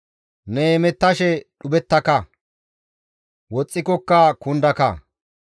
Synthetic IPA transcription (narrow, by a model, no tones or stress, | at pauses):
neːmɛt̪ːɐʃɛɗʊbɛt̪ːɐkɐ | wɔt͡sʼːɪkɔkːɐkʊnd̪ɐkɐ̰